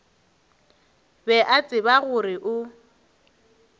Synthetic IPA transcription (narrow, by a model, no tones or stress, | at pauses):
bɛʔat͡sʼɪbaɣʊrɪʔʊ